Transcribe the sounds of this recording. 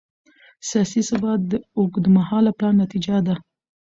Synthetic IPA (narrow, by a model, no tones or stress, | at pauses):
sijɑsisɪbɑt̪̚d̪əokd̪əmahɑlaplɑnːat̪id͡ʒad̪a